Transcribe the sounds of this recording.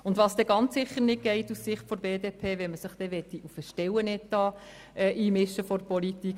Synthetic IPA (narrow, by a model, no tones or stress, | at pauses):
ʊndʋɑsd̥̪ɛɡɑnt͡sːɪχəɾnɪt̚ɡ̥ɛɪtussɪχtfɔɾbeːd̪epʰeːʋɛnməsəχd̥ɛʋɛt̪ːiʔufəʃtɛwənɛtɑː | ɛʔiːmɪʃːəfɔɾpɔlit̪ik